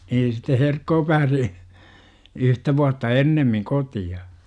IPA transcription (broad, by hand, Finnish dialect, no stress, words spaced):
niːn sitːe herkːoː pæːsi yhtæ ʋuɑtːɑ enːemːiŋ kotiɑ